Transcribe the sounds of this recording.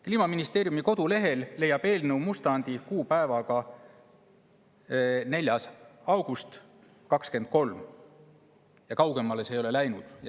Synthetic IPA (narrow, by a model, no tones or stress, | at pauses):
kliːmɑminist̪e̞ːɾjumiko̞d̪̥ule̞ɦe̞lːe̞jːɑb̥e̞ːlnewmust̪ɑnd̪̥ikuːpæevɑɡ̥ɑ | ne̞lʲjɑsɑwɡ̥ust̪ | kɑkske̞nd̪̥̚ko̞lm | jɑkɑwɡ̥e̞mɑle̞se̞ːjo̞lelæjnud̪̥j